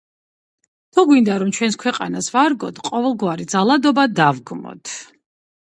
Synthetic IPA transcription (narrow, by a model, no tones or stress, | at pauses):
t̪ʰuɡwind̪aɾɔmt͡ʃʰwɛnskʰwɛqʼa̰nasvaɾɡɔ̰t̪ʰqʼɔvɛlˠɡwaɾid̪zalˠad̪ɔbad̪avɡmɔ̰t̪ʰ